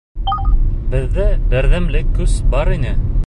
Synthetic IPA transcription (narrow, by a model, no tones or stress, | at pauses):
bɘ̆ðːæbɘ̆ɾðæmlɘkːʉzbɑɾinɘ